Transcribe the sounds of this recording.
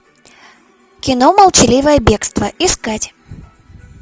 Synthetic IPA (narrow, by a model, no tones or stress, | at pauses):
kʲɪnoməlˠt͡ɕɪlʲivəjəbʲe̞kst̪vəɪskatʲ